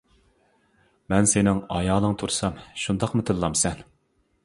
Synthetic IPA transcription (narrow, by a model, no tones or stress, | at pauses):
mɛnsenɪŋɑjɑːlˠəŋt̪ʰuɾsɑmʃund̪ɑqmɨt̪ʰɨllːˠɑmsɛn